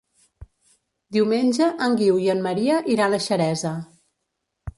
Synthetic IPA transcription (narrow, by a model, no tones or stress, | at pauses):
d̪iwmenʲʒəʔəŋɡiwjəmːəɾiəʔiɾanəʃəɾɛzə